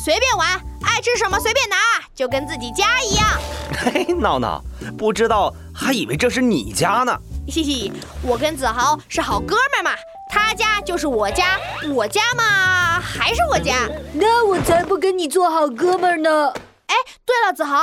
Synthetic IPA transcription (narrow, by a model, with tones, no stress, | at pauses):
swe˧ɪpjɛ˥˩nwa˧˥na˥˩ɪʈ͡ʂɻ̩˥ʂ̬ə˧˥nmə˧swe˧˥ɪpjɛ˥˩na˧˥˧t͡ɕjo˥˩ʊkə˥nt͡sɹ̩˥˩t͡ɕi˨˩t͡ɕja˥i˧˥jɑ˥˩ŋe˥˩ɪnɑ˥˩nɑ̰˨˩ʊpu˥˩ʈ͡ʂɻ̩˥t̪ɑ˥˩ʊ | t̪ʰa˧˥i˨˩we˧˥ɪʈ͡ʂɤ˥˧ʂ̬ɻ̩˥˩nḭ˨˩t͡ɕja˥nə̰˨ɕi˥˧ɕi˥˩˨wɔ˨˩kə˥nt͡sɹ̩˨˩xɑ˧˥ʊʂɻ̩˥˩xɑ˨˩ʊkɤ˥mə˨˩mɐ˨˩ | t̪ʰa˥t͡ɕja˥t͡ɕjo˥˧ʊʂ̬ɻ̩˥˩wɔ˨˩t͡ɕja˥wɔ˨˩t͡ɕja˥mɐ˨xa˧˥ɪʂ̬ɻ̩˥˩wɔ˨˩t͡ɕja˥na˥˩wɔ˨˩t͡sʰa˧˥ɪpu˥˩k̬ə˥nni˨˩t͡swɔ˥˩xɑ˨˩ʊkɤ˥mə˨˧nə˧ | e˥˩ɪt̪we˥˩ɪlə˩t͡sɹ̩˨˩xɑ˧˥ʊ